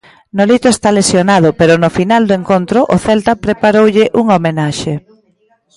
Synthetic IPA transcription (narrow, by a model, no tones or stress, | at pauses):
nolit̪oest̪alesjonað̞ʊpeɾʊnofinald̪oeŋkont̪ɾʊʔoθɛlt̪apɾepaɾowʎɪʔuŋomenaʃe